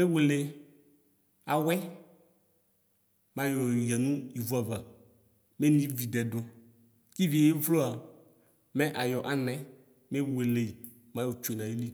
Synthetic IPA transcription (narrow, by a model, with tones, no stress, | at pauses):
me˦we˨le˨ | a˨wɛ˦ | mã˨jɔ˨ja˨nũ˦i˨vu˦a˨va˨ | me˦nĩ˦vi˨dɛ˨do˨ | ki˦vi˨e˨je˦vlo˦a˨ | mɛ˦ʔa˨jɔ˨ʔa˨nɛ̃˨ | me˦we˨le˨ | mã˦jɔ˨t͡ʃo˨e˨nã˨ji˦li˦